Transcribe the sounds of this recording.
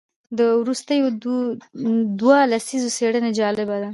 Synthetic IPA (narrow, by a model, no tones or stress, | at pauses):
d̪əwɾust̪əjod̪ | d̪walasizoseɽəned͡ʒɑlɪbad̪a